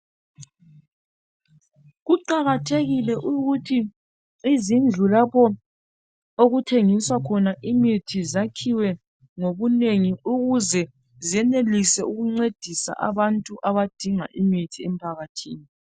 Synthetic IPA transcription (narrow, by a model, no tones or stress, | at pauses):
ɣuǃaɣatʰeɣilɛʔuɣutʰiː | zind͡ɮʱulapʰɔ | oɣutʰeŋiswakʰɔnaʔimitʰizakʰiwɛ | ŋoβuneŋiuɣuzɛ | ziɛnelisɛuɣuŋ͡ǀed̥ʱisa̰ʔa̰βantʼuʔaβad̥ʱiŋa̰ʔimitʰiɛmpʰaɣatʰiːni